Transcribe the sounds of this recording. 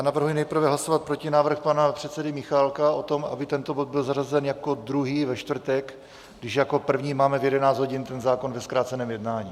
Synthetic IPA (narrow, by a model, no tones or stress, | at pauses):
aːnavr̩ɦujnɛjpr̩vɛɦlaso̞vat̪̚pɾo̞cɪnaːvr̩xpanapr̥ɛt̪sɛdɪmɪxalkaʔo̞t̪o̞ma̰bɪt̪ɛnt̪o̞bod̪̚bɪlzarazɛnjako̞d̪ɾuɦiːvɛʃt̪vr̩t̪ɛk | ɡdɪʒjako̞pr̩vɲiːmaːmɛvjɛdɛnaːd͡zzɦo̞ɟɪnt̪ɛnzaːko̞nvɛskɾaːt͡sɛnɛːmjɛdnaːɲiː